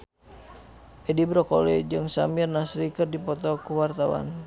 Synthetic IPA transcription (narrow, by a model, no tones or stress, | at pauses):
ʔɛdibɾɔkɔlɛd͡ʒɨŋsamirnasɾikərdipɔt̪ɔkuwart̪awa̰n